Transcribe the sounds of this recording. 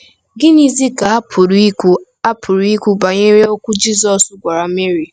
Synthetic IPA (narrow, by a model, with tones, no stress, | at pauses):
ɡɪ˦ni˦zi˦ka˨˦pʰʊ˨ɾ | a˦pʰʊ˨ɾi˦kʷu˦ba˨ɲe˦ɾe˦o˦kʷʊ˦d͡ʒi˦zɔ˨sʊ˦ɡʷa˨ɾa˨me˦ɾi˨